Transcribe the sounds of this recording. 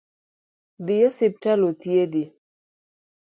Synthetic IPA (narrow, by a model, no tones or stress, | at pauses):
d̪ijɔsip̚talot̪jed̪i